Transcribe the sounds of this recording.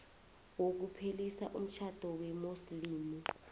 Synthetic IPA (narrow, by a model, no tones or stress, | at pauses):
wok̬upʰelisaʔum̩t͡ʃʰad̥ʱɔwɛmusliːmu